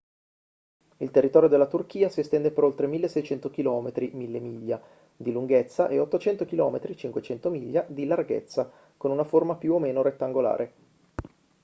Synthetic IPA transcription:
ilt̪erːit̪ɔːɾjod̪elːat̪urk̟iːasiɛst̪ɛnd̪epeɾolt̪ɾemilːesːɛjt͡ʃɛnt̪ok̟ilɔːmet̪ɾimilːemiʎːa | d̪iluŋɡet̪sːaʔeot̪ːot͡ʃɛnt̪ok̟ilɔːmet̪ɾit͡ʃiŋkwet͡ʃɛnt̪omiʎːad̪ilarɡḛt̪sːa | konunaformapjuomːeːnoɾet̪ːaŋɡola̰ːɾʔe

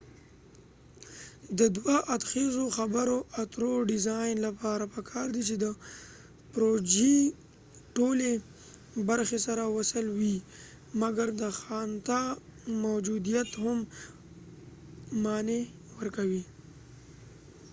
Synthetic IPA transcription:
d̪əd̪waʔad̪xezoxabaɾoʔat̪ɾoɖɪzɑjnlapɑɾapəkʰɑɾd̪it͡ʃed̪ə | pɾod͡ʒi | ʈole | baɾxesaɾawasəlwi | maɡaɾd̪əxɑnt̪amawd͡ʒud̪ijat̪hʊm | mɑne | wəɾkawi

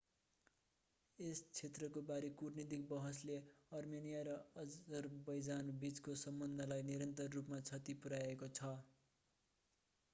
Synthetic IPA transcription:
est͡sʰet̪rʌkobaɾekurnid̪ik̚bʌɦʌsleʌrmenijaɾʌʌʌrbʌjd͡zanbit͡skosʌmbʌnd̪ʱʌlajniɾʌnt̪ʌrːupmat͡sʰʌt̪ipuɾaekot͡sʰʌ

